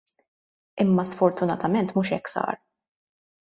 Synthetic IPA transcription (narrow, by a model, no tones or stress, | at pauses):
ɪmːɐsfɔɾt̪ʊnɐt̪ɐmɛnt̪muːʃɛkːsɐ̰ːɾ